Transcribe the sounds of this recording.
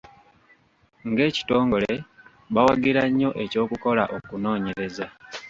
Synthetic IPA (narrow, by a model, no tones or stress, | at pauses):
ŋɡe̞ːci̥to̞ːŋɡo̞le̞ | βawaɡiɾaɲːo̞ʔe̞co̞ːkuko̞laʔo̞kuno̞ːɲe̞ɾe̞za